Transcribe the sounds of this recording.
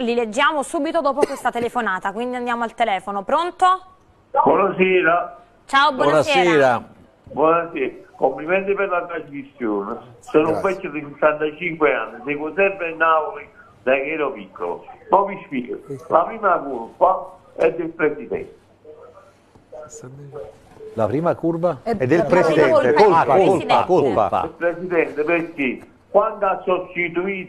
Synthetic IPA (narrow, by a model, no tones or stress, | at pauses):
liled͡ʒːjaːmosuːbit̪od̪ɔːpokwest̪at̪elefonaːt̪akwind̪iand̪jaːmoalt̪elɛːfonopɾont̪o | bwɔnasɛːɾa | t͡ʃaːobwɔɔnasɛɛːɾa | bwɔnaseːɾakomplimɛnt̪ɪpeɾlat̪ɾazmisːjoːnɪsoːnuvɛtːod̪isesːant̪at͡ʃiŋkweanːisekut̪ɛbenauli | d̪akɛɾɔpikːo̰lʊ̰pɔpiʃpiːkəlʔapɾiːmakulpa | ɛd̪ːɪlpɾɛsid̪ɛ̰nt̪ | lapɾiːmakuɾvaɛd̪elpɾesid̪ɛekolpakoa̰pa̰lpɾɛsiðɛnt̪epeɾkɪ | kwand̪asːɔt͡ʃːit̪̬uiː